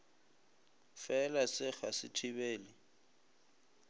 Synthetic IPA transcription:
fɛlasɪk͡xasɪtʰibeːlɪ

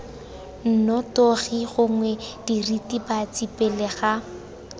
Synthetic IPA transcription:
n̩nɔtoɣiɣʊŋwɛd̥iritibat͡sipeleɣa

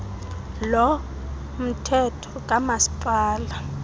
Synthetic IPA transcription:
lɔ | m̩tʰɛtʰɔ̥k̬ʼamasi̥pʼaːla

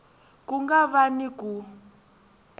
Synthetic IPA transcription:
kuŋɡaβaniku

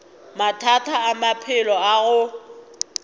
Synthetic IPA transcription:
matʰatʰaːmapʰɪlɔaɣʊ

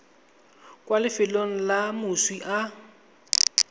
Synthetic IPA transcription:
kwalɪfɪloŋ̩lamʊswiʔa

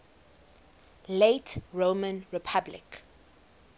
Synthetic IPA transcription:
letɹomə̃nɹipʰablɪ̰k

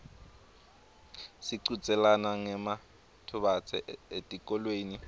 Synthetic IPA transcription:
siǀut͡sʼɛlanaŋɛma | tʰʊɓat͡sʰɛ̰ʔetʼikʼɔlweːni

